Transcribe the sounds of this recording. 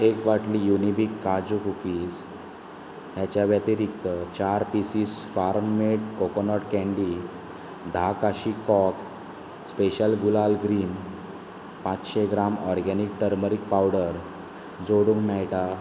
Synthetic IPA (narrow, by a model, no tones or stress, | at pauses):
ekʋaʈlijunibikːad͡ʑukukiːs | ɦjat͡ɕjaʋjat̪iɾikt̪ət͡ɕaɾpisiːsfaɾmmeʈ̚kokonɔʈkɛ̃ɳɖi | d̪ʱakaɕikɔk | speɕəlɡulalɡɾin | pãt͡sɕeɡɾamɔɾɡɛnik̚ʈəɾməɾik̚pawɽəɾ | d͡zoɽuŋɡmajʈa